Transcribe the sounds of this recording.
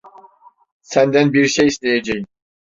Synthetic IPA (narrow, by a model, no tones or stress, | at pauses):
sænd̪ænbiɾʃejist̪ejad͡ʒɛj